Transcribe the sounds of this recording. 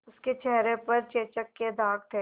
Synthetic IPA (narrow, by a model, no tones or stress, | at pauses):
ʊsket͡ʃɛɦɾepɐɾt͡ʃeːt͡ʃəkːed̪ʱaːk̚ʈ̪ʰeː